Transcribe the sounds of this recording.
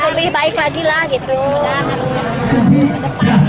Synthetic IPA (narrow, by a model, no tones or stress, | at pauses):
səbɪhbaɪklaɡilahɡit̪u